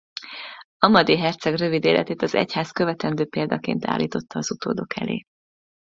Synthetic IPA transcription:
ɒmɒd̪iɦɛrt̪sɛɡrø̞vid̪eːlʔɛ̰t̪eːt̪ɒzɛ̰chaːskø̞vɛt̪ɛnd̪øːpeːld̪ɒkḛːnt̪ʰa̰ːlːiːt̪o̞t̪ːɒːz̥ut̪oːd̪o̞kʰɛ̰lḛː

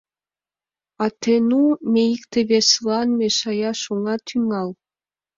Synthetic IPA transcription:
ɑt̪enumeikt̪eβeslɑnmeʃɑjɑʃoŋɑt̪ʰyŋɑl

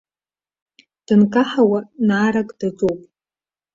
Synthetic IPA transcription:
d̥ɨnkʼaħawanaːɾakʼd̥ad͡zowpʼ

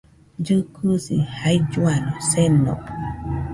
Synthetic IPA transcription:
d͡ʒɨkʰusihaid͡ʒuanɔsɛnɔ̰

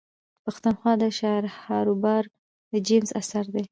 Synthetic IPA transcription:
paxt̪unxwɑd̪əʃɑɾhɑɾubɑɾ | d̪əd͡ʒemza̰saɾd̪e

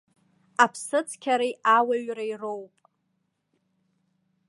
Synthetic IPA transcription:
apʰsɨt͡sʰkʲʰaɾejawaɥrairowpʼ

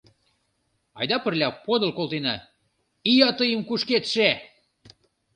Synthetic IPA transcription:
ɑ̰jd̪ɑpə̆rlʲɑpod̪ə̆lkolt̪enɑ | ijɑt̪əjəmkuʃket̪ʃe

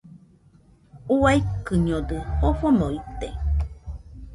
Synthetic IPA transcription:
uaikɨɲod̪ɨhofonoit̪e

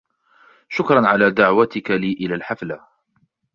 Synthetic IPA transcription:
ʃʊkɾˤɑnʕalaːd̪aʕwat̪ɪkaliːʔɪlaːlħafla

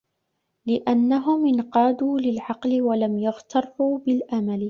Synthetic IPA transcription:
lɪʔanːaɦʊmʔɪnqɑːd̪uːlɪlʕɑqlɪwalamjʊɣt̪ʰɑrˤːuːbɪlʔamalɪ

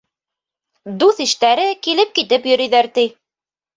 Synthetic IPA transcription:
d̪uθĭʃt̪æɾɘkilɘp̚kit̪ɘpjɵ̆ɾĭjðæɾt̪i

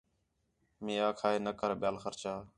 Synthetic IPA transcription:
mĩːaːkʰaːeːnəkəɾɓɪjaːlxəɾt͡ʃaː

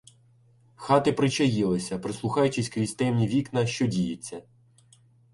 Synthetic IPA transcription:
xɑt̪ɪpɾɪt͡ʃɐjɪlˠɪsʲɐpɾɪslˠʊxɑjʊt͡ʃɪsʲkɾʲisʲt̪ɛmnʲiʋʲiknɐʃt͡ʃɔdʲijet͡sʲːɐ

